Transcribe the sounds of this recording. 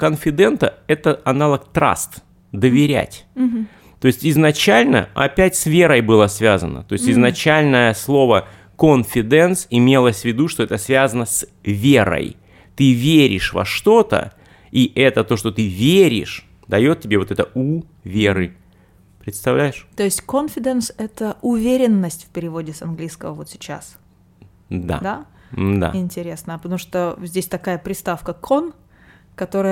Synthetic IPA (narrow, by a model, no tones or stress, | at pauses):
kənfʲɪd̪ɛnt̪əɛt̪əɐnalˠəkt̪ɾa̰st̪ | d̪əvʲɪɾʲæ̰tʲ | t̪o̞ɪsʲtʲɪznɐt͡ɕælʲnə̰ɐ̰pʲætʲsvʲe̞ɾəjbɨlˠəsvʲazə̰nə̰t̪o̞ɪsʲtʲɪznɐt͡ɕælʲnəjəslˠo̞və | konfʲɪd̪ɛnt̪sɪmʲe̞lˠəsʲvʲɪd̪uʂt̪oɛt̪əsvʲazənəsʲvʲe̞ɾə̰j | t̪ɨvʲeɾʲɪ̰ʂvɐ̰ʂt̪o̞t̪ə̰ | iʔɛt̪ət̪oʂt̪o̞t̪ɨvʲeɾʲɪ̰ʂ | d̪ɐjo̞t̪̚ʲːɪbʲeo̞t̪ɛt̪əu | vʲeɾɨ | pɾʲɪt̪st̪ɐvlʲæjɪʂt̪o̞jɪsʲtʲkonfʲɪd̪ənsɛt̪əʔʊvʲeɾʲɪnːəsʲtʲfpʲɪɾʲɪvo̞dʲɪsɐnɡlʲijskəvəvo̞t̪sʲɪ̥t͡ɕa̰s | d̪a̰d̪a | d̪a̰ɪnʲtʲɪɾʲe̞snəpət̪ɐmuʂt̪ozʲdʲesʲt̪ɐkajəpɾʲɪst̪afkəkʰo̞n | kɐt̪o̞ɾɨjə